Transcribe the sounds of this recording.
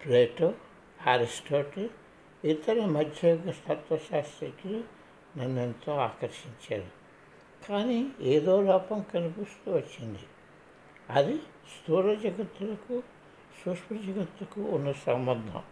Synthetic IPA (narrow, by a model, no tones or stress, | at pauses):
pleːʈoː | aːɾisʈoːɾʈ | it̪ɐɾɐmɐd̪ʱjɐɡɐsɐt̪ʋɐʃaːst̪ɾɐkilu | nɐnːent̪o̞ːaːkɐɾʃiɲt͡ʃaːɾu | kaːnieːd̪oːlɔːpɐmkɐnupust̪uːʋɐt͡ʃːind̪i | ɐd̪i | st̪uːɾɐd͡ʒɐɡɐt̪ːulɐku | suʂpɐd͡ʒɐɡɐt̪ːlɐkuːnːɐsɐmbɐnd̪ʱɐ̰m